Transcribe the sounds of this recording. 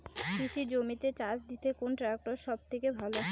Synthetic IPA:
kiʃid͡ʑomit̪et͡ɕat͡ɕd̪it̪ekonʈɾak̚ʈoɾʃɔb̚t̪ʰekebʱalo

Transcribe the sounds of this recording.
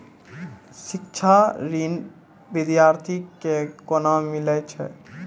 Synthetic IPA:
ʃikt͡ʃʰaɾin | bid̪jaɾt̪ʰikːekonamilet͡ʃʰɛ̰

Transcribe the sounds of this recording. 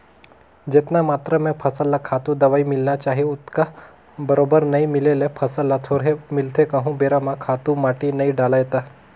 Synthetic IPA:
d͡ʑet̪namat̪ɾəmẽpʰəsəlːakʰat̪ũd̪əʋaimɪlnat͡ɕaːɦiut̪ka | bəɾobəɾnaimilelepʰəsəlːat̪ʰoɽɦemɪlt̪ʰekəɦũbeɾamãkʰat̪ũmaʈinaiɖalajt̪a

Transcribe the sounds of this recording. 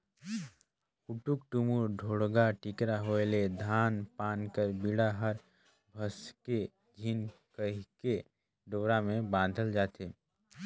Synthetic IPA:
kʊʈukʈumuɾɖʱoːɽɡaʈɪkɾaɦoeled̪ʱaːnpaːnkəɾbiɽaɦəɾ | bʱəske | ɡʱinkəɦke | ɖoːɾamẽbãːd̪ʱəld͡ʒaːt̪eː

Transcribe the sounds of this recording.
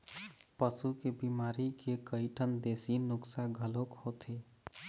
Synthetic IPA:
pəsukebimaːɾikekəiʈʰənd̪eːsinʊksaɡʱəlokhot̪ʰe

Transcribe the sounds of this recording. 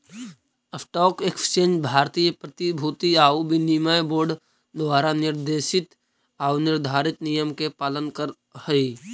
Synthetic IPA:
əfʈɔːkekst͡ʃẽːnd͡ʒbʱaːɾt̪iːjəpɾət̪ibʱuːt̪iaːubʱinimajboːɾɖ | d̪ʋaːɾanɪɾd̪eːʃɪt̪ | aːunɪɾd̪ʱaːɾɪt̪nijəmkepaːlənkəɾ | həi

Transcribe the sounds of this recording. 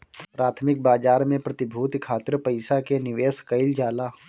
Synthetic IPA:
pɾaːt̪ʰmɪk̚baːd͡ʒaːɾmẽpɾɐt̪ɪbʱuːt̪kʰaːt̪ɾpɐɪsakenɪʋeːskəɪld͡ʒaːlaː

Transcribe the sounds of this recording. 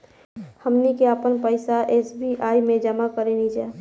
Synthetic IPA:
həmnikeapənpəɪsaʔeːsbiʔaːjmẽd͡ʒəmakəɾenid͡ʒaː

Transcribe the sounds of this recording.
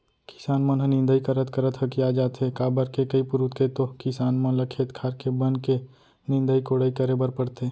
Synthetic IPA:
kɪ̥saːnmə̃nɦə̃nɪ̃nd̪əikəɾət̪kəɾət̪ɦɐkiaːd͡ʒaːt̪ɦekaːbəɾkekɐipʊɾut̪kʰet̪okɪsaːnmə̃lɐkʰeːt̪kʰaːɾkebənke | nɪ̃nd̪əikoɽəikəɾebəɾpəɽt̪eː

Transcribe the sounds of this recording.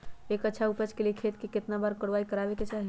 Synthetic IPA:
ekətːʃʰaupət͡ʃkeliekʰet̪̚keket̪nabaɾkəɽʋaikəɾabeket͡ʃaɦi

